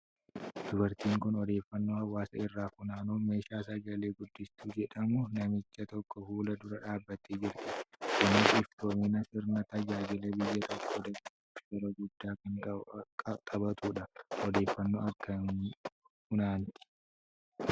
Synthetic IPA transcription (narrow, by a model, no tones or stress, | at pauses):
d̪̥ʊbɐɾt̪iːŋkʊnɔd̪e̞ːfːɐnːoːhɐwːaːsɐɪrːaːfʊnaːnuːme̞ːʃaːsɐɡɐle̞ːɡʊd̪ːɪst̪uːd͡ʒɛᶑɐmʊnɐmɪt͡ʃːɐt̪ɔkːɔfuːlɐd̪ʊɾɐᶑaːbːɐt̪eːd͡ʒɪɾt̪ɪkɐnɪsɪfd̪oːmɪnɐsɪɾnɐt̪ɐd͡ʒaːd͡ʒɪlɐbɪjːɐt̪ɔkʰːoːd̪ɐkː | ɡɐɾɐɡʊd̪ːaːkɐŋ | tʼɐbɐt̪uːᶑɐɔd̪e̞ːfːɐnːoːɐkːɐn | fʊnaːnt̪ɪ̥